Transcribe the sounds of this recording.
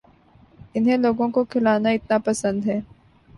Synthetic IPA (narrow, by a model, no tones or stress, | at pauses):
ɪnɦẽloːɡõkokʰɪlaːnaɪt̪napɐsə̃nd̪ɦɛː